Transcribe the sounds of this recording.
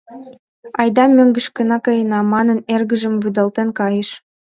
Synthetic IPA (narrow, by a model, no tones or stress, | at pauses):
ɑjd̪ɑmøŋɡə̆ʃkə̆nɑkɤjə̆nɑmɑnɤ̆nerɡə̆ʒə̆mvyd̪ɑlt̪enkɑjəʃ